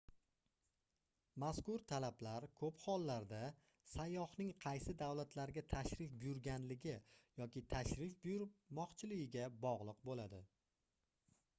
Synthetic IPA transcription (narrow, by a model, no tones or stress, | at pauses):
maskʊɾt̪ʰalablaɾkʰɵphɒlˠːaɾd̪a | sajːɒhnɪŋqʰɑjsɪd̪awlat̪ʰlaɾɡʲat̪ʰaʃɾɪfbʊjʊɾɡʲanlɪɡʲɪjɒkʲɪt̪ʰaʃɾɪfbʊjʊɾmɒqt͡ʃʰɪlɪɡʲɪɡʲabɒʁlˠɨqbolad̪ɪ